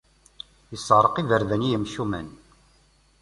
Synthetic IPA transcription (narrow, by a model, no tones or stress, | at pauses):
jəsːəʁɾˤəqivəɾðænijəmʃumæ̰n